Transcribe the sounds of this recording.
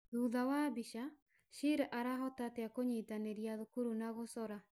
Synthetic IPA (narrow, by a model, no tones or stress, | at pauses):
ðuðawabiʃa | ʃiɾaʔaɾaɦɔtateakoɲetaneɾjaðokuɾunaɣosɔɾa